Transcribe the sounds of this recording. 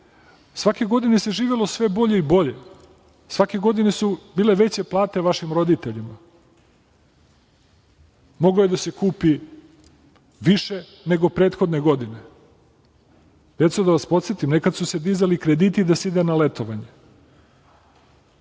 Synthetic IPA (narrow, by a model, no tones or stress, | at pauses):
sʋake̞ɡo̞d̪ine̞se̞ʒiːʋelo̞sʋe̞bo̞ʎe̞ibo̞ʎe̞ | sʋake̞ɡo̞d̪ine̞subiːle̞ʋe̞t͡ɕe̞plˠaːt̪e̞ʋaʃimɾo̞d̪it̪eʎima | mo̞ɡojed̪ase̞kuːpi | ʋiʃe | ne̞ɡo̞pɾeːt̪xo̞d̪neɡo̞d̪ine | d̪̥e̞t̪sud̪aʋaspo̞t̪set̪imnekad̪suse̞d̪iːzalikɾed̪iːt̪id̪aseid̪enale̞t̪oʋaɲe